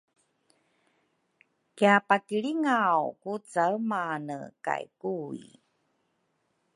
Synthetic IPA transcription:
kiapakiɭiŋawkut͡saəmanə̰ka̰jkuḭ

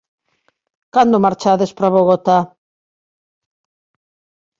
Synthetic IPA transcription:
kand̪omaɾt͡ʃaðespɾaβoɣot̪a

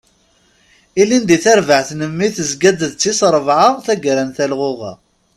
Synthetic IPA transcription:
ilind̪iθæɾvəʕθnəmːiθəzɡæd̪əðt͡sːisɾˤəvʕəʁθæɡɾænθælʁʊʁa̰

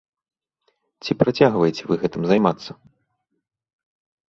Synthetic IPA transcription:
t͡sʲipɾat͡sʲaɣvɐjet͡sʲɛvɨɣɛt̪ɨmzajmat̪sːɐ

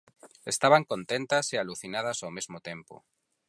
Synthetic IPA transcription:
est̪aβaŋkõnt̪ẽnt̪asialuθinað̞asawmezmot̪ẽmpo̰

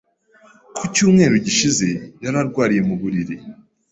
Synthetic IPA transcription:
kʰucuːmŋe̞ːɾuɟiʃize̞jaɾaɾɡwaːɾije̞muβuɾiɾi

